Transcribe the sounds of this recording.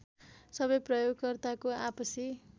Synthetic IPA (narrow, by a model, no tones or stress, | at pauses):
sʌbʌjprʌjoɡkʌrt̪akoapʌsi